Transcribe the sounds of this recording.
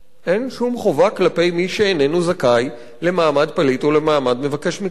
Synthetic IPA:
ʔenʃumχo̞vaklape̞jmiʃeːnenuzakaj | le̞maːmad̪̚palit̪ole̞maːmad̪me̞vake̞ʃmi

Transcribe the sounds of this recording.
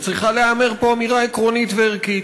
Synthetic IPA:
t͡sʁiχaleameʁpo̞amiʁaekʁo̞nit̪veʁkit̪

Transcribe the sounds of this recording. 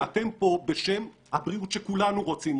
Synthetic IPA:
ate̞mpo̞beʃe̞mhabʁiutʃekulanuʁo̞t͡sim

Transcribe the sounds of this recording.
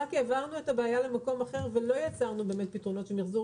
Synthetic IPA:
akeːvaʁnuetabeːjalemako̞maχe̞ʁve̞lo̞jat͡saʁnube̞ːmet̚pitʁo̞no̞tʃemiχzu

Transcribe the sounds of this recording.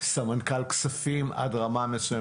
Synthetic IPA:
samankalksafimʔa̰dʁamamesuje

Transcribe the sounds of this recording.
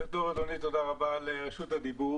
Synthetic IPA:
t̪oʁad̪onit̪od̪aʁabaleʃut̪ad̪ibu

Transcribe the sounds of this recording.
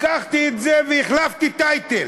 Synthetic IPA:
kaχt̪iet̪zeveiχlaft̪it̪ajt̪el

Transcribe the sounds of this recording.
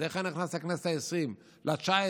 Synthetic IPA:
eχaniχnasleknese̥taesʁim | lat͡ʃae

